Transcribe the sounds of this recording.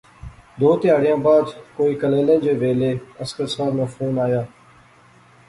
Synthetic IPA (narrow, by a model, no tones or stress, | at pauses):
d̪oːt̪ɪjaːɽɪjãːbaːd̪koːiːkəleːlẽːd͡ʒeːʋeːleːəskəɾsaːɾməfɾuːnaːjaː